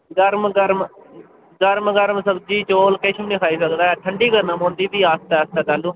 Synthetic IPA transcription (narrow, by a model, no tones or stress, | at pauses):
ɡəɾmɡəɾm | ɡəɾmɡəɾmsəbd͡ʒiːt͡ʃoːlkɪt͡ʃʰmnĩːkʰaːiːsəkd̪aːɛːʈʰəɳɖiːɡəɾnə̃mõːnd̪iːbiːaːst̪ɛːaːst̪ɛːt̪aːlũː